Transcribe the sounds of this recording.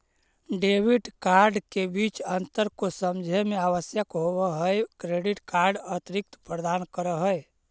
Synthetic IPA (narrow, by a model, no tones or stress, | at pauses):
ɖebiʈkaɾɖkebit͡ʃənt̪əɾkosəmd͡ʒʱemeaʋəsjəkɦobəɦəjkɾeɖiʈkaɾɖət̪ɾik̚t̪pɾəd̪ankəɾəɦəj